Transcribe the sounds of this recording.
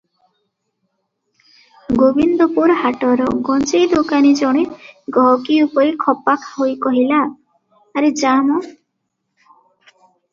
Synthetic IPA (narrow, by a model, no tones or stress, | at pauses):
ɡobind̪ɔpuɾɦaʈɔɾɔɡɔnt͡ʃejd̪okanid͡ʒɔɽ̃eɡɔɦɔkiupɔɾikʰɔpakʰɦojkɔɦilaː | ɾed͡ʒamɔ